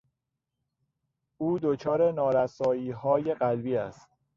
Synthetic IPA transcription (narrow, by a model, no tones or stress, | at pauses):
ʔuːd̪ot͡ʃʰɒːɾe̞nɒːɾæsɒːiːɦɒːje̞ɢælbiːæ̰st̪̚